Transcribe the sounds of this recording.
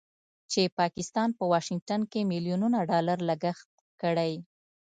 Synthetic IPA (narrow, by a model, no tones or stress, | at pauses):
t͡ʃepɑkɪst̪ɑnpəwɑʃɪŋɡ̚ʈankemilijununaɖɑlaɾləɡaxt̪̚ | kəɽaj